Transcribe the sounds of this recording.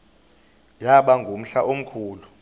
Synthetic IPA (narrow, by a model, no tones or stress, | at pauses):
jaɓaŋɡʱom̩ɬaʔom̩kʰuːlu